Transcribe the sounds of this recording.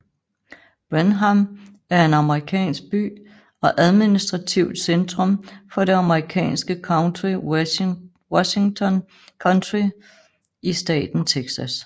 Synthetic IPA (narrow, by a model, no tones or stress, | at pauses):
b̥ʁenɦam | æɐe̝nɑ̈məʁikʰɛ̰ːnsɡ̥̚b̥y̰ː | ɒ̽ʔæðˠminisd̥ʁɑ̈t͡sʰiʊ̰d̥send̥ʁɔ̽mfɒ̽ɾe̝ɑ̈məʁikʰɛ̰ːnsɡ̥əi | wɒɕiŋt͡sʰɒ̽n | kʰɒnd̥ʁi | isd̥ɛ̰ːd̥n̩t͡sʰeɡ̥sæs